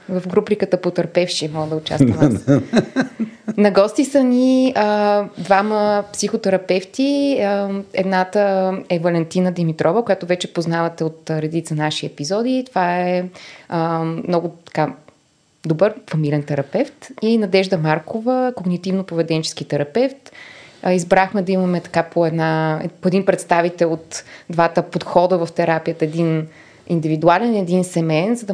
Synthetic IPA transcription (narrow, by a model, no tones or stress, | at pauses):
vɐfɡɾupɾikət̪əpot̪ɐɾpɛfʃimɔɡəd̪ɐʊt͡ʃa̰st̪ɐm | nɐɡɔst̪isəniəd̪vaməpsixot̪ɛɾɐpɛft̪iəɛ̰d̪nat̪əɛvɐlɛnt̪inəd̪ɛmit̪ɾʔɔvəkoʊjat̪ovɛt͡ʃɛpoznavɐt̪ɛot̪ɾɛd̪it̪sənaʃiɛpizɔd̪it̪ovaɛəmnɔɡʊt̪ɐ̥ka | d̪obəɾfɐmilɛnt̪ɛɾɐpɛft̪inɐd̪ɛʒd̪əmaɾkovəkoɡnit̪ivnopovɛd̪ɛnt͡ʃɛ̥skit̪ɛɾɐpɛft̪izbɾaxmɛd̪ɐimɐmɛt̪ɐ̥kapʰoɛd̪na̰poɛd̪inpɾɛt̪st̪avit̪ɛlˠot̪d̪vat̪əpot̪xɔd̪əvɐft̪ɛɾapijət̪əɛd̪in | ind̪ivid̪ualɛnɛd̪insɛmɛnzɐd̪ɐ